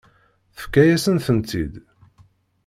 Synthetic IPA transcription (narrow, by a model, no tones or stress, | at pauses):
θə̥fkːæjæsənθənt̪id̪